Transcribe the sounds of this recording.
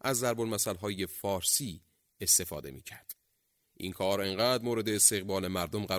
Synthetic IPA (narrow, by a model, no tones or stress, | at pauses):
ʔæzːæɾbonmæsælɦɒːjefɒːɾsiː | est̪e̞fɒ̰ːd̪e̞̰miːcʰæɾd̪̥ | ʔḭnkʰɒːɾe̞ŋɢæːd̪moːɾe̞d̪e̞ːst̪e̞ɣbɒːle̞mæɾd̪omɢæ